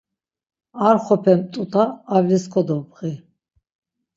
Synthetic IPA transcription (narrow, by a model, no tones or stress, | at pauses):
aɾχɔpʰɛmt̪ʼut̪ʰʼaːvliskʰɔd̪ɔbʁi